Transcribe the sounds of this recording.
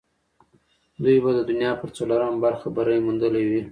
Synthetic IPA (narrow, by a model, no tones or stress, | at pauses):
d̪ujbad̪əd̪ʊnjɑpəɾt͡solaɾambaɾxabaɾajmund̪əlawi